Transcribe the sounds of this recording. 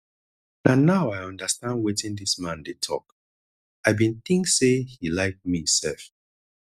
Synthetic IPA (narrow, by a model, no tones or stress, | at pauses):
nanaʊaɪjʌ̃ndəstãndwetĩndismãndetʰɔ̰k | aɪbĩnθĩŋksehilaɪk̚misɛ̰lf